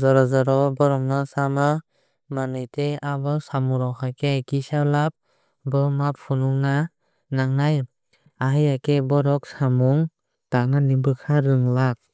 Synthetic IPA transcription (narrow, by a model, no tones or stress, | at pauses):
zɔɾɔzɔɾɔbɔɾɔŋnasama | manɯjteabɯsamuɾɔkʰakekisalap̚ | bɯmap̚ʰununa | naŋnaj | aɦɯjakebɔɾɔk̚samuŋ | tak̚nanibɯkʰaɾɯŋlak̚